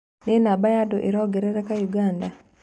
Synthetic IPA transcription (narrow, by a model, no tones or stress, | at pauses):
nenabajadoʔeɾɔɡɛɾɛɾɛkajuɡanda